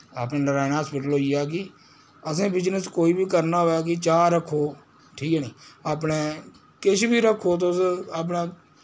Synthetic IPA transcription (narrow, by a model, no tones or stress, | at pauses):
aːpneːnəɾaːɪnaːspɪʈəlɦoːijaːk̬ɪ | əsẽːbɪd͡ʒnəskoːiːbʱiːkəɾnaːɦoːaːk̬ɪt͡ʃaːəkʰːoː | ʈʰiːkɛːnĩːaːpneː | kɪʃʰbiːɾəkʰːoːt̪osaːp̬nãː